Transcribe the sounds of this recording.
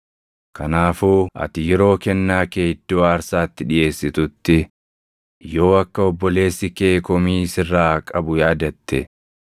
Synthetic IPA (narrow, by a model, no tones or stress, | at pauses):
kɐnaːfuːʔɐ̰t̪ɪjɛɾo̞ːkɛnːaːkeːɪd̪̥ːoːaːɾsaːt̪ːɪᶑɪje̞ːsːɪt̪ʊt̪ːɪ | jo̞ːɐkːɐɔbːɔle̞ːsːɪkeːkɔmiːsɪrːaːkʼɐbʊjaːd̪ɐt̪ːɛ